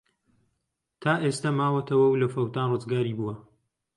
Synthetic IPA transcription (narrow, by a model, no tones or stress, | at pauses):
t̪ʰaːʔest̪ɐmaːwɐt̪ʰɐwɐwlɐfɐwt̪aːnrɨzɡaːɾiːbuwɐ